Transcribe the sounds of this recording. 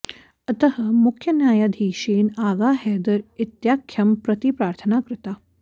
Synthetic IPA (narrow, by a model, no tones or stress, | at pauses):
ɐt̪əɦɐ̆mukʰjɐnjaːjad̪ʱiːʃeːnaːɡaːɦɛːd̪ɐɾit̪jaːkʰjɐmpɾɐt̪ipɾaːɾt̪ʰənaːkɾɪt̪a